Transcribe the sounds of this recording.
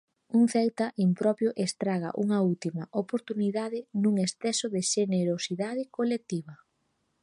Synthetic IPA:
uŋθɛwt̪ɐʔimpɾɔpjʊʔest̪ɾaɣɐ̰ʔuŋɐult̪imɐʔopoɾt̪uniðaðɪnuŋesθɛsoðeʃeneɾosiðað̞ɪkolek̚t̪iβɐ

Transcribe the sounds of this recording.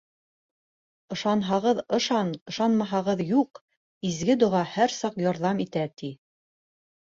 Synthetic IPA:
ɤ̆ʃɑnɦɑʁɤðɤ̆ʃɑnɤ̆ʃɑnmɑɦɑʁɤðjuq | izɡɘd̪ŏʁɑhæɾsɑqjɒɾðɑmit̪æt̪i

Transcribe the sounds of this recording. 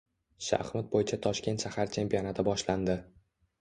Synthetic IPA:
ʃa̰χmʊt̪̚bojɪt͡ʃʰat̪ʰɒʃkʲe̞nt̪ʃahaɾt͡ʃʰe̞mpio̞nat̪ʰɪbɒʃland̪ɪ

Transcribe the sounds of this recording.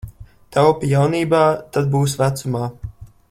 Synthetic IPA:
t̪alpʲijawniːbaːt̪ad̪̚buːs̬væt̪sumaː

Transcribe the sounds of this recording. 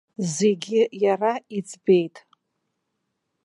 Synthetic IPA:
zeɡʲɪjarait͡sʰʼbe̞jtʼ

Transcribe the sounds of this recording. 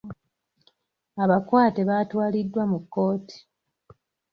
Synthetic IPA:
aβakwaːteβaːtwaːlidːwamukːo̞ːti̥

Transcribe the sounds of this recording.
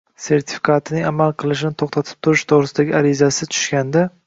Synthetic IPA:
se̞ɾt̪ʰɪ̥fi̥kʰat̪ʰɪnɪŋamalˠqʰɨlˠɪʃɪnɪt̪ʰoχt̪ʰat̪ʰɪ̥p̚t̪ʰʊɾɪʃt̪ʰoʁɾɪsɪd̪aɡʲɪaɾɪzasɪt͡ʃ̪ʰʊ̥ʃkʲand̪a

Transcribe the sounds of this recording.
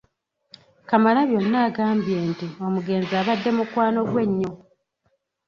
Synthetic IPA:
kamalaβjo̞nːaːɡaːmbje̞ntio̞muɡe̞ːnzaːβadːe̞mukwaːno̞ɡwe̞ɲːo̞

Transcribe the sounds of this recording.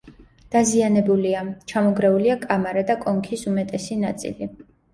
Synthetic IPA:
d̪̥azianɛbuliat͡ʃʰamɔɡɾɛuliakʼamaɾad̪akʼɔŋkʰisumɛt̪ʼɛsinat̪sʼḭli

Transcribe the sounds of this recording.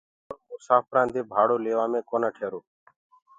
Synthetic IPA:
oːsaːpɾãːnd̪eːbʱaːɽoːleːʋaːmẽːkoːnaːʈʰeːɾoː

